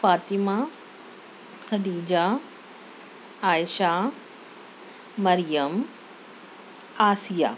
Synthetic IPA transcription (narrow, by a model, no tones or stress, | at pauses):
faːt̪imaː | kɐd̪iːd͡ʒa | aːjʃaː | mɐɾjɐm | aːsijaː